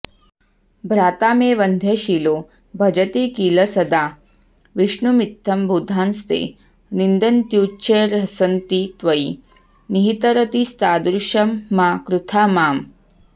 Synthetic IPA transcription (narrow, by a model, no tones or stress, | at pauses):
bʱɾaːt̪aːmeːʋɐnd̪ʱeʃilo | bʱɐd͡ʒɐt̪eːkiːlɐsɐd̪aː | ʋiʂɳumit̪ʰːɐmbʱud̪ʱaːnst̪ḛː | nind̪ɐnt̪juːt͡ʃeɾɦɐsɐnt̪it̪ʋɐi | niɦit̪ɐɾɐt̪ist̪aːd̪ɾuʂɐmːakɾut̪ʰaːmaːm